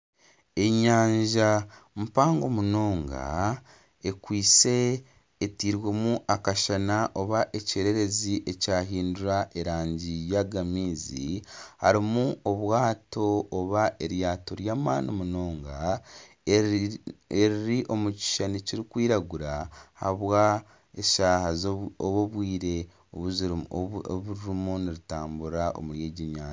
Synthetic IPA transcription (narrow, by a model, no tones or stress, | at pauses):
e̞ɲaːɲʒamupaːŋɡo̞muno̞ːŋɡa̰ | e̞kwiːt͡se̞ː | tiːɾwe̞muʔakaʃanaʔo̞βaʔece̞ɾe̞ɾe̞ziʔe̞caːɦiːnduɾaʔeɾaːɲɟijaɡamiːzḭha̰ɾimuoβwaːto̞ːβaʔeɾjaːtoɾjaːmaːnomunoːŋɡa | eɾiɾiʔo̞muci̥ʃaniciɾikwiːɾaɡuɾaha̰βwa | eʃaːhazoβoβwiːɾe̞ | oβuziɾβuɾɾumuniɾitaːmbuɾaʔo̰muɾjeːɟiɲaːa